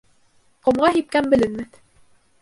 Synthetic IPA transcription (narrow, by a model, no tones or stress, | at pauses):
qŏmʁɑɦip̚kæmbɘ̆lɘ̆nmɘt̪